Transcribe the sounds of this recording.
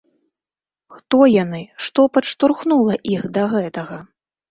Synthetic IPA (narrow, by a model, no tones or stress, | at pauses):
xt̪ɔjanɨʂt̪ɔpɐʂt̪urxnulˠɐʔixd̪ɐɣɛt̪ɐɣɐ